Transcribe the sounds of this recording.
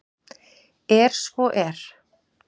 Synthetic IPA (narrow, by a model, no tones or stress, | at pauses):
ɛɾ̥svɔʔɛɾ̥